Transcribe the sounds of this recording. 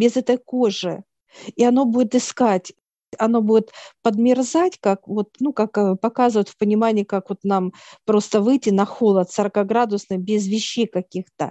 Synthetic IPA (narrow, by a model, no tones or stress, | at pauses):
bʲɪzɛt̪əjkoʐɨ | iɐno̞budʲɪt̪ɨskatʲ | ɐno̞budʲɪt̪pəd̪mʲɪrzatʲkak̚vo̞t̪nukakpɐkazɨvətʲfpənʲɪmanʲɪjkakvo̞t̪nampɾo̞st̪əvɨjtʲːɪnɐxo̞lˠət̪səɾəkaɡɾad̪ʊsnɨxbʲɪzvʲɪɕːejkɐkʲixt̪ə̰